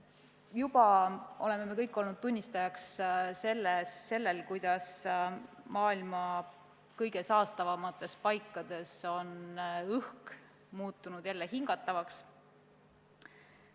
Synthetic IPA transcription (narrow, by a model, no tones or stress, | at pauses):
jub̥ɑʔo̞le̞mːe̞mekɤjkːˑo̞lnud̪̚t̪unʲːist̪ɑjɑksse̞lːesːe̞lːe̞lkujd̪̥ɑs | mɑːilmɑ | kɤjɡe̞sɑːst̪ɑvɑmɑt̪ːˑe̞spɑjkˑːɑd̪̥e̞so̞nɯhk | muːt̪ːˑunud̪̥jælːe̞hiŋɡ̥ɑt̪ːˑɑvɑks